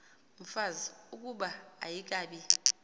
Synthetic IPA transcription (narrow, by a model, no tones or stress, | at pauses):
m̩faziuk̬ʼuɓaa̰jik̬aːɓi